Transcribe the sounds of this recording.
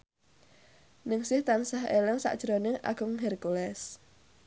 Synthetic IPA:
nɪŋsɪht̪ansaɦelɛŋsa̰ʔd̥ʒ̥ɾonɪʔa̰ɡ̥ʊŋɦɛrkulɛs

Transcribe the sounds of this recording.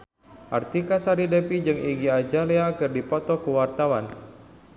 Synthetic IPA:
ʔart̪ikasaɾidepid͡ʒɨŋiɡiad͡ʒaleakɨrdipɔt̪ɔkəwart̪awan

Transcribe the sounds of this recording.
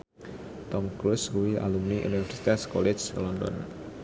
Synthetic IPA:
t̪ɔmkɾuskuwia̰lumniʔṵnifɛrsi̥t̪askɔlɛd͡ʒlɔnd̪ɔ̰n

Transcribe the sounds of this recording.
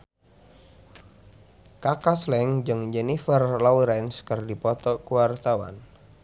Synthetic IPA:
kakaslɛŋd͡ʒɨŋd͡ʒɛnifərlɔuɾɛnskɨrdipɔt̪ɔkuwart̪awa̰n

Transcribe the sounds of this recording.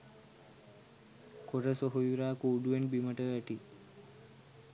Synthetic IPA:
koɾəsoɦojuɾaːkuːɖuenbiməʈəəʈi

